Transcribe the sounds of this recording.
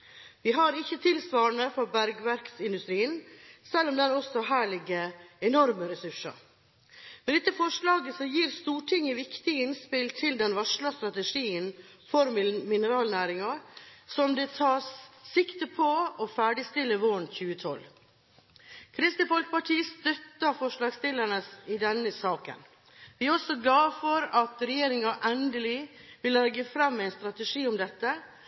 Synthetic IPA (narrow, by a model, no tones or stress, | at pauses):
ʋɪɦɑɾɪçːət̪ʰɪlsʋɑːəɳəfɔɾbæɾɡʋæɾksɪnd̪ʉst̪ɾiːənsɛlːɔmd̪ɛnɔsɔɦæːɭɪɡəɛnɔɾməɾɛsʉʂɑ̰ | mɛd̪ɛt̪ːəfɔʂlɑːɡəsɔjiːɾst̪uːʈʰɪŋəʋɪkt̪ɪɪnspɪlt̪ʰɪld̪ɛnʋɑʂɭɑst̪ɾɑt̪əʂiːən | fɔɾmmɪnəɾɑːlnæːɾɪŋɑsɔmd̪ɛt̪ʰɑːssɪkt̪əpʰɔɔfæːɖɪst̪ɪlːəʋɔɳçʉːət̪ʰɔ̰l | kʰɾɪst̪ɪfɔlkə̥pɑʈʰiːəst̪œt̪ːɑfɔʂlɑːɡst̪ɪləɳəsɪd̪ɛnːəsɑːkə̰n | ʋɪæɾɔsɔɡlɑːfɔɾɑt̪ɾɛjeːɾɪŋɑʔɛnd̪əlɪʋɪlːɛɡəfɾɑmːæɪnst̪ɾɑt̪əʂiːʊmd̪ɛt̪ːə